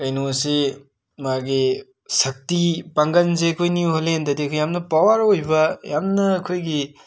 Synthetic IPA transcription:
kɐjnose | maɡi | sɐk̚tipaŋɡɐnzeɐkʰojniuɦɐlendɐdiɐkʰojamnɐpawɐɾojbɐjamnɐːkʰojɡi

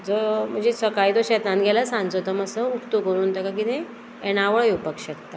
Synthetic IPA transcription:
d͡zom̤əɳd͡zd͡ʑesəkajit̪oɕɛt̪ãnɡʱɛlasãŋɡd͡zot̪əməsəupt̪okəɾuːnt̪əkak̬it̪ẽ | ɛñaʋəɭjupəkɕəkt̪a

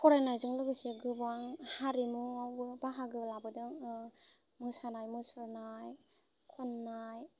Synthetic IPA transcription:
kʰɔɾanajzɯŋlɯɡɯseɡɯbaŋhaɾimuawbɯbaɦaɡɯblabɯdɯŋ | mɯsanajmɯsɯɾnaj | kʰɔnːaj

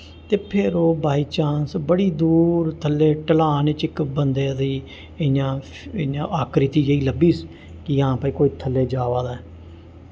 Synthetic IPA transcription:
t̪eːpʰɪɾoːbaːiːt͡ʃaːnsbəɽiːd̪uːɾt̪ʰəlːeːʈəlaːnet͡ʃɪkbənd̪eːd̪iː | ɪɲãː | ɪãːʔaːkɾɪt̪iːd͡ʒəiːləbiːs | kɪjãːpaːĩːkoːiːt̪ʰəlːeːd͡ʒaːʋaːd̪aːɛ

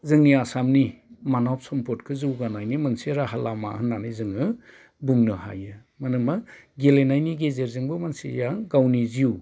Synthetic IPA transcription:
zɯŋniasamnimanawp̚sɔmpʰɔtkʰɯzɯwɡanajnimɯnsiɾaɦalama̰hɯnːanɯjzɯŋɯ | buŋnɯha̰jɯ | manɯmaɡelenajniɡezeɾzɯŋbɯmansijaŋɡawniziu

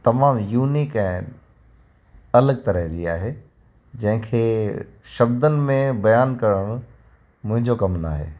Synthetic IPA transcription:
t̪ɐmaːmjuːniːkɛ̃ː | ɐləɡ̚t̪ɐɾəɦd͡ʑiaːɦe | d͡ʑɐ̃ɦɪ̃kʰeːʃɐb̚d̪ənɪ̆mẽbɐjaːnkɐɾəɽ̃ | mʊ̃ɦɪ̃ɲd͡ʑokɐmna̰ːɦḛː

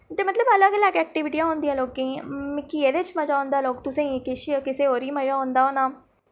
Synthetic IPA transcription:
t̪eːmət̪ləbələɡlɛːɡɛːk̚ʈɪʋɪʈiãːɦõːnd̪iãːloːkːẽːmɪkːiːeːd̪et͡ʃməd͡ʒaːʊ̃nd̪aːloːkt̪ʊsẽːkɪʃikɪseːɦoːɾiːməaːɦõnd̪aːɦoːnaː

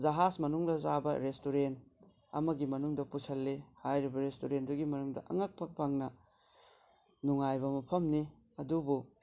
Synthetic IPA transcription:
zɐɦasmɐnuŋdɐzabɐɾestuɾent | ɐ̰mɐɡimɐnuŋdɐpusɐlːehajɾibɐɾestuɾenduɡimɐnuŋdɐ̰ʔɐ̰ŋɐk̚pʰɐk̚pʰaŋnɐ | nuŋajbɐmɐpʰɐmni | ɐdubu

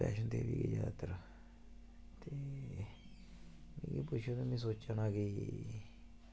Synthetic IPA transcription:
aʃũnd̪eβikijat̪aɾa | t̪e | mḭ̃kipuʃonemĩs̬ot͡ʃanãki

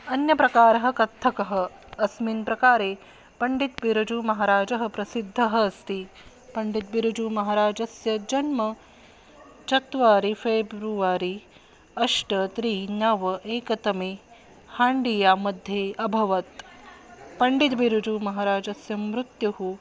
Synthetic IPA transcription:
ɐnjɐpɾɐkaːɾɐɦɐ̆kɐt̪ʰːɐkɐɦɐ̆ | ɐsminpɾɐkaːɾeː | pɐɳɖit̪biɾud͡ʒumɐɦaːɾaːd͡ʒɐɦɐ̆pɾɐsid̪ʱːɐɦɐɐst̪i | pɐɳɖit̪̚biɾud͡ʒumɐɦaːɾaːd͡ʒɐsjɐd͡ʒɐnmɐ | t͡ʃɐt̪ʋaːɾifeːbɾuʋaːɾi | ɐʂʈɐt̪ɾiːnɐʋɐʔeːkɐt̪ɐmeː | haːɳɖijaːmɐd̪ʱːjeːɐbʱɐʋɐt̪ | pɐɳɖit̪biɾud͡ʒumɐɦaːɾaːd͡ʒɐsjɐmɾut̪juɦu

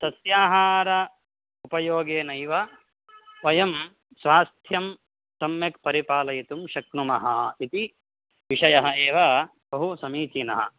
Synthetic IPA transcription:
t̪ɐsjaːɦaːɾɐ | upɐjoːɡeːnɐjʋɐ | ʋɐjɐm | sʋaːst̪ʰjɐm | sɐmjɐk̚pɐɾipaːlɐjit̪umʃɐknumɐɦɐit̪i | ʋiʂɐjɐɦɐ̆eːʋɐ | bɐɦusɐmiːt͡ʃinɐ̰ɦɐ̰̆

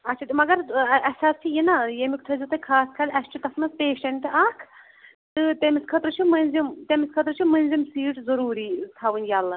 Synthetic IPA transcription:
ɐtːt͡ʃʰat̪imɐɡɐɾɐsast͡ʃʰijinajemik̚t̪ʰɐzit̪ɐkʰaːskʰɐlʲʔɐst͡ʃʰit̪ɐsmɐspeːʃɐnʲʈ̪ɨʔɐkʰ | t̪ɨt̪emiskʰɐt̪ɾɨt͡ʃʰimɐnʲzimt̪emiskʰɐt̪ɾɨt͡ʃʰimɐnzimsiːʈzɐɾuːɾiːt̪ʰɐʋɨnjaːlːɐ

